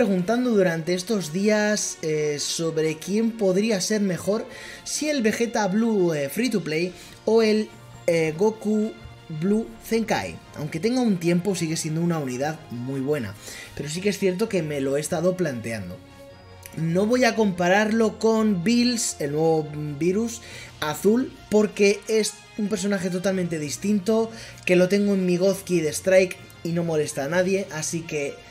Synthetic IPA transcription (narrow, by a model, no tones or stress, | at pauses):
ɾeɣunt̪and̪oðuɾant̪eest̪o̞zðiasesːo̞βɾe̞kje̞mpo̞ðɾiase̞ɾme̞xo̞ɾsie̞lβe̞xe̞t̪aβluefɾit̪̬uple̞j | o̞e̞l | ɣoku | βluθe̞ŋka̰j̰ | a̰wŋke̞t̪e̞ŋɡaunt̪je̞mpo̞siɣe̞sje̞nd̪ounaunið̞aðmujβ̞we̞na̰pe̞ɾo̞s̬ikeesθje̞ɾt̪̬o̞ke̞me̞lo̞eːst̪aðo̞plant̪eand̪o̞ | no̞β̞o̞jako̞mpaɾaɾlo̞ko̞nbilse̞lnwe̞βo̞biɾusaθulpo̞ɾke̞e̞s | umpe̞ɾso̞naxe̞t̪̬o̞t̪alment̪e̞ðist̪int̪o̞ke̞lo̞t̪e̞ŋɡoenmːiɣ̞o̞θkiðe̞st̪ɾajk | ino̞mo̞le̞st̪anaðje̞ʔasike̞